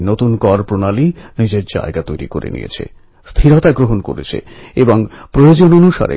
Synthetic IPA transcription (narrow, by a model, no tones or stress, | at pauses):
not̪unkɔɾpɾonalinid͡ʑeɾd͡ʑa̰eɡat̪ojɾḭkoɾḛnḭjḛt͡ɕʰḛ | st̪ʰiɾot̪aɡɾoɦonko̰ɾet͡ɕʰḛebɔŋpɾojod͡ʑononuʃa̰ɾḛ